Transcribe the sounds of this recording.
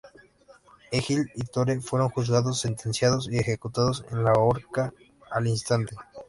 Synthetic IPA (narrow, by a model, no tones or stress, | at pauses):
exilit̪oɾefwe̞ɾo̞ŋxuz̬ɣaðos̬ːe̞nt̪e̞nsjaðosiexe̞kut̪aðose̞̰nlaoɾkaː | linst̪ant̪e